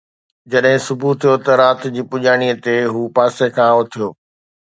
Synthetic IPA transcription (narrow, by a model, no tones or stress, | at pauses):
d͡ʑɐɗɦɪ̃sʊbʱut̪ʰijot̪ɐɾaːt̪d͡ʑiːpʊʄaːɽ̃iət̪eɦuːpaːsekʰãːot̪ʰijoː